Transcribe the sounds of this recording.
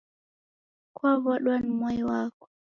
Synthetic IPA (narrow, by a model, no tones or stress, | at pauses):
kwaβɔɗwanmɔjwakɔ̥